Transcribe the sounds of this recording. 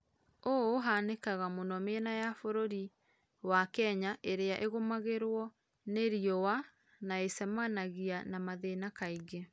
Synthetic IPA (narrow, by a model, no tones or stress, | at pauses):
oɦanekaɣamonɔmenajafoɾoɾi | wakɛɲaʔeɾeaʔeɣomaɣeɾwɔ | neɾiɔwa | naesɛmanaɣianamaðenakaiɣe